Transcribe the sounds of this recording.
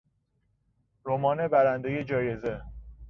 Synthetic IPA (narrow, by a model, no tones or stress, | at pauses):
ɾomɒːne̞bæɾænd̪eje̞d͡ʒɒːje̞ze